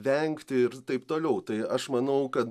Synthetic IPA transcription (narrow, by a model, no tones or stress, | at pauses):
ʋʲɛŋkt̪ʲɪɪɾt̪ɐɪpt̪oːlʲɛʊt̪ɐɪɐʃmɐnɐʊkɐt̪